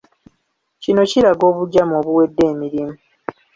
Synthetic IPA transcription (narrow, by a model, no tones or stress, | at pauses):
cino̞ciɾaɡo̞ːβuɟːamo̞ːβuwe̞dːe̞ːmiɾimu